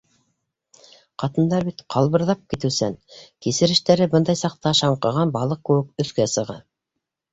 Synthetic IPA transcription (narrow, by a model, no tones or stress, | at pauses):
qɑt̪ɤ̆nd̪ɑɾβit̪qʰɑlˠβɤ̆ɾðɑp̚kit̪ɘ̆wsæ̰nkisɘ̆ɾɘ̆ʃt̪æɾɘbɤnd̪ɑjsɑq̚t̪ɑʃɑɴqɑ̆ʁɑnbɑlˠɤq̚kɘ̆wɘk̚ɵ̆θkæsɤ̆ʁɑ̰